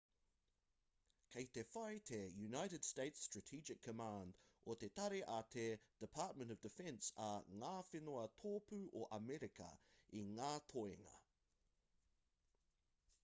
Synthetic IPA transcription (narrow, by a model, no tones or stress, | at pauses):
kʰeɪtʰɛfaɪtʰɛjʉnaɪɾɪd̥steɪtstɹ̥ətʰiːd͡ʒɪkʰːəmãːndʔɔtʰɛt̪ʰaɾiʔatʰɛd̥ɪpʰɑˑt̚mə̃ntəvdɪfɛ̃nsəŋafɪnɔət̪ʰɔːpʰʉʔəʔəmɛɹɪkʰə̰ʔɪ̃nŋat̪ʰɔɪɪ̰ŋə̰